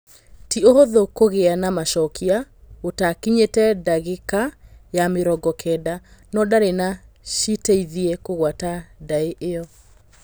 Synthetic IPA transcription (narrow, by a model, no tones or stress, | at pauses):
tiohoðokoɣeanamaʃɔkʰiaotakiɲetɛdaɣekajameɾɔɡɔkʰɛdanɔdaɾena | ʃiteiðiɛkoɣwatadaeʔejɔ